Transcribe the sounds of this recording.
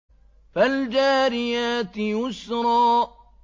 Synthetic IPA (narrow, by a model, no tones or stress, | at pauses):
fald͡ʒaːɾɪjat̪jʊsɾˤɑː